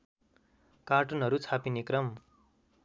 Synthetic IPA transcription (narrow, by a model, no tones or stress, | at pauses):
kaʈunɦʌɾut͡sʰapinekrʌm